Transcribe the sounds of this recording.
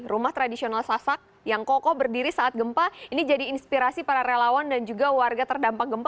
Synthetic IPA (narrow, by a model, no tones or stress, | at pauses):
rumaht̪ɾadisionalsasak̚ | jaŋkɔkɔbərdiɾisaːt̪̚ɡəmpainid͡ʒadiːnspiɾasipaɾaɾelawandand͡ʒuɡawarɡat̪ərdampak̚ɡəmp